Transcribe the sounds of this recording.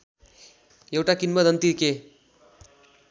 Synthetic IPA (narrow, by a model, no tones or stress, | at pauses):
jewʈakinmʌd̪ʱʌnt̪ike